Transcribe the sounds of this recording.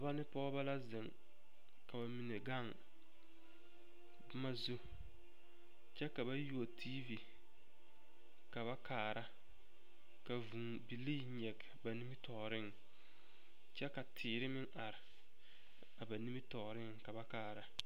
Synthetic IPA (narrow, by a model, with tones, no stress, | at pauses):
a˨ba˦nɪ˦pɔ˦ba˦la˦zɪ˨ŋ | ka˨ba˨mi˨ne˨ɡa˦˨ŋ | bma˦zu˦ | t͡ʃɛ˦ka˨ba˦ju˦o˨tʰi˦vi˨ | ka˨βa˦kaː˨ɾa˦ | ka˨vu˨ŋ | bi˨liː˦ɲɛ˨ɡba˨ni˦mi˦tɔ˨ɾɪ˦˨ŋ | t͡ʃɛ˦ka˨tʰɪː˨ɾɪ˦mɪ˦ŋʔa˨ɾɪ˨ | a˨ba˨ni˦mi˦tɔ˨ɾɪ˦ŋka˨ba˦kaː˨ɾa˨˦